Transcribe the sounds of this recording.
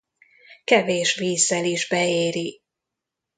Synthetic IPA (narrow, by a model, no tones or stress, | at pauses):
kɛveːʃʋiːzːɛliʒbɛeːɾi